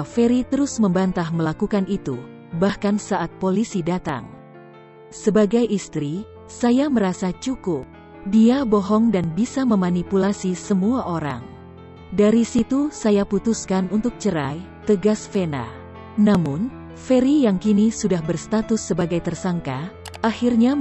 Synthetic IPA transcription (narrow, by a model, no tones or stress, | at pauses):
feɾit̪əɾʊsməmbant̪ahməlakukanit̪ṵ | bahkansaʔat̪̚polisidat̪a̰ŋ | səbaɡajʔist̪ɾi | sajaməɾasat͡ʃukʊp̚ | diabɔɦɔŋdanbisaməmanipulasisəmuaʔoɾa̰ŋ | daɾisit̪usajaput̪uskanunt̪ʊk̚t͡ʃəɾa̰j | t̪əɡasfena̰ | namʊn | feɾijaŋkinisudahbərst̪at̪ʊsːəbaɡajt̪ərsaŋkaahirɲa